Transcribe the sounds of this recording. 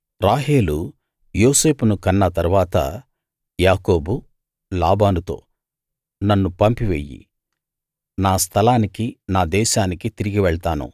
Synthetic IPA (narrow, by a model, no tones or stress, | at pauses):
ɾaːɦe̞ːlu | jo̞ːse̞ːpunukɐnːɐt̪ɐɾʋaːt̪ɐ̰ | jaːko̞ːbu | laːbaːnut̪o̞̰ː | nɐnːupɐmpiʋḛjːḭ | naːst̪ʰɐlaːnikinaːd̪ɛːʃaːnikit̪iɾiɡiʋɛɭɐt̪aːnṵ